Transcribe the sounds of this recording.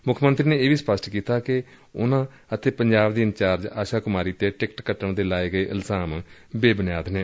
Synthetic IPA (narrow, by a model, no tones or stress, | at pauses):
mʊkʰmənt̪ɾiːneːeːʋiːspəsʈkiːt̪aːkɪ | ʊnãː | ət̪ʰeːpəɲd͡ʒaːbd̪iːənt͡ʃaːɾd͡ʒaːʃaːkʊmaːɾiːt̪eːʈɪkʈkəʈːəɳd̪eːlaːeːɡəeːʔɪlzaːmbeːbənjaːd̪neː